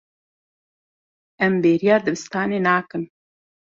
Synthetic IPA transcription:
ɛmbeːɾijɑːd̪ɨbɨst̪ɑːneːnaːkɨn

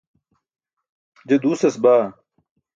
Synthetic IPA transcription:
d͡ʑed̪uːsesbaː

